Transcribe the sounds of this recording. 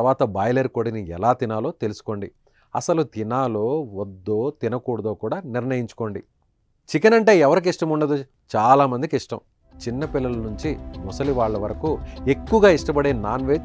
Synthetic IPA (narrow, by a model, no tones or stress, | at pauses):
ɐʋaːt̪ɐbaːjleɾkoːɽiniɛ̰laːt̪inaːlo̞ːt̪e̞lusu̥ko̞ːɳɖi | ɐ̰sɐlut̪inaːlo̞ːʋɔd̪ːoːt̪inɐkuːɽɐd̪oːkuːɽaːniɾɳɐjiɲt͡ʃu̥ko̞ːɳɖi | t͡ʃikɐnɐɳʈe̞ːɛʋɐɾik̬iʂʈɐmuɳːɐd̪u | t͡ʃaːlaːmɐnd̪ikiʂʈɐ̰m | t͡ʃinːɐpilːɐlɐnuɲt͡ʃimɔsɐliʋaːɭːɐʋɐɾɐkue̞kːuʋɐɡaːiʂʈɐpɐɽe̞ːnaːnʋe̞ː